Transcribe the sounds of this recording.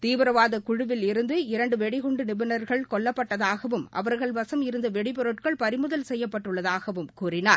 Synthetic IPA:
t̪iːʋɯɾɐʋaːðɐkʊɻɯʋɪlɪɾɯnd̪ɯɪɾɐɳɖɯʋɛɽɪɣɔɳɖɯnɪbɪnɐɾɣɐɭkɔɭːɐpːɐʈːɐðaːɣɐʋɯmʔɐ̰ʋɐɾɣɐɭbɐsɐmɪɾɯnd̪ɐʋɛɽɪpɔɾɯʈkɐɭpɐɾɪmɯðɐlsɛjːɐpːɐʈːɯɭːɐðaːɣɐʋɯmkuːrɪnaːɾ

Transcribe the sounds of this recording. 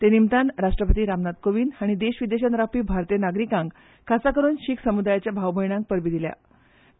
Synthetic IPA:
t̪enimt̪anɾaʂʈɾəpət̪iːɾamnad̪koʋiːnaɽ̃id̪eɕʋid̪eɕənɾapiːbʱaɾt̪ienaɡɾikãŋk | kʰːat͡sakəɾuːnɕiːksəmud̪ajat͡ɕjabʱaʋbʱəjɽãŋk̚pəɾbid̪ilja̰

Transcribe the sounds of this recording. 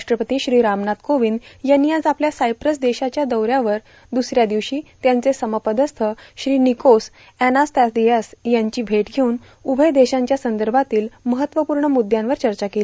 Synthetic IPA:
ʂʈɾəpət̪iːɕɾiːɾamnat̪koʋiːnjanːiːad͡zapljasajpɾəs̬d̪eɕat͡ɕjad̪əwɾjaʋəɾ | d̪usɾjad̪iʋɕiːt̪jãnt͡sesəməpəd̪əst̪ʰəɕɾiːnikos | ænast̪asd̪ijasjaɲt͡ɕiːbʱeʈɡʱeun | ubʱəjd̪eɕãɲt͡ɕjasənd̪əɾbʱat̪iːlməɦət̪ːʋəpuːɾɳəmud̪jãnʋəɾt͡ɕəɾt͡ɕakeli

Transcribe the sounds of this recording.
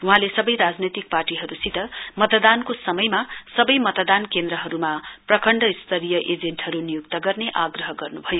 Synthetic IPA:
uɦãlesʌbʌjɾad͡znet̪ik̚parʈiɦʌɾusit̪ʌmʌt̪ʌd̪ankosʌmʌjmasʌbʌjmʌt̪ʌd̪ankend̪ɾʌɦʌɾumaprʌkʌɳɖʌist̪ʰʌɾijʌʔed͡zenʈɦʌɾunijuk̚t̪ʌɡʌrneʔaɡrʌɦʌɡʌrnubʱʌjo

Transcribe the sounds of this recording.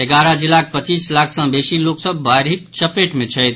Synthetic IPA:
eɡaɾəd͡ʒilːak̚ʰpət͡ʃislakʰsə̃besiloksəbːajɾɦik̚t͡ʃəpeʈmet͡ʃʰəjt̪ʰ

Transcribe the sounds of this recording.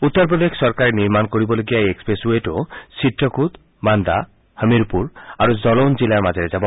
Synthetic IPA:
ut̪ːɔɾpɾod̪ekʰsɔɾkaɾeniɾmankoɾibɔloɡijaeekspɾesueʈosiʈɾɔkʰud̪ | mand̪a̰ | həmiɾpuɾaɾuzɔlond͡ʑilaɾmad͡ʒʱeɾed͡ʒabɔ

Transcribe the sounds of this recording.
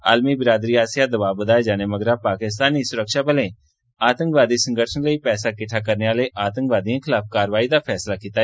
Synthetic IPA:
a̰ːlmiːbɪɾaːd̪ɾiːaːsjaːd̪əbaːbəd̪aːed͡ʒaːneːməɡɾaːpaːkɪst̪aːniːsʊɾəkʃaːbəlẽː | aːt̪ə̃ŋkʋaːd̪iːsə̃ŋɡəʈʰənləiːpɛːsaːkɪʈʰaːkəɾneːaːleːʔaːt̪ə̃ŋkʋaːd̪iãːkʰɪlaːfkaːɾəʋaːiːd̪aːpʰɛːslaːkiːt̪aː

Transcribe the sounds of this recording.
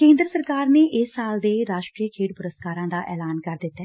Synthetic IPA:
kẽːnd̪ɾəsəɾkaːɾneːʔɪsːaːld̪eːɾaːʃʈɾiːt͡ʃʰeːʈ̚pʊɾəskaːɾãːd̪aːʔɛ̰ːlaːnkəɾd̪ɪt̪ːɛː

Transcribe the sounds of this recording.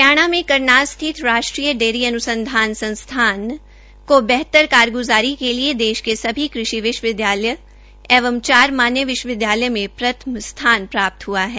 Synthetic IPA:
kjaːɽ̃amẽkɐɾnaːst̪ʰɪt̪ɾaːʃʈɾiːjəɖeːɾiɐnʊsə̃nd̪ʱaːnsɐ̃nst̪ʰaːn | kobɛɦt̪əɾkaːɾɡʊzaːɾikelied̪eːʃkesɐbʱikɾɪʃiʋɪʃwʋɪd̪jaːləjə | ɛːʋəmt͡ʃaːɾmaːnjəʋɪʃwəʋɪd̪jaːləjmẽpɾɐt̪ʰəmst̪ʰaːnpɾaːp̚t̪ɦuaɦɛː

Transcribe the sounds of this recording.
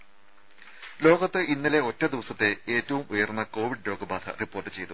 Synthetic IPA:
lo̞ːɡɐt̪ːɨʔinːɐle̞o̞tːɐd̪iʋɐsɐt̪ːe̞eːtːɐʋumujɐrnːɐko̞ːʋiɖlo̞ːɡɐbaːd̪ʰɐ̰ripːo̞ːrʈːɨt͡ɕe̞jt̪u

